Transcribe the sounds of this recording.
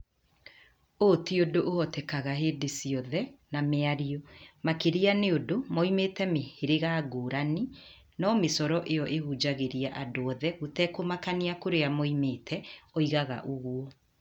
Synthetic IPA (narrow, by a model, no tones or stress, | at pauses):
otiodoʔohɔtɛkaɣaɦeːdesiɔðɛnameaɾiɔmakeɾianeodomɔimeːtɛmeheɾeɣaɡoːɾani | nɔmesɔɾɔʔejɔʔehud͡ʒaɣeɾiaʔadoɔðɛɣotɛkomakaniakoɾeamɔimeːtʰɛɔiɣaɣa̰ʔoɣwɔ